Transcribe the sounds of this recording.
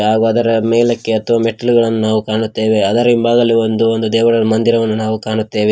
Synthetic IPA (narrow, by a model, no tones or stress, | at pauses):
ɦaːɡuɐd̪ɐɾɐmeːlɐkːe̞ɐt̪ʰɐʋaːmeʈːɐluɡɐɭɐnːunaːʋukaːɳut̪ːe̞ːʋeɐd̪ɐɾɐimbaːɡɐlːiond̪uond̪ud̪ɛːʋɐɽɐmɐnd̪iɾɐʋɐnːunaːʋukaːɳut̪ːe̞ːʋe